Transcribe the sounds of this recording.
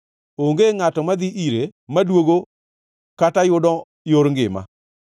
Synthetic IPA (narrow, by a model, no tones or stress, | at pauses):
oŋɡeŋatɔmad̪ɪʔiɾemadwoɡo | katajʊdɔ | joɾŋɡɪ̰ma̰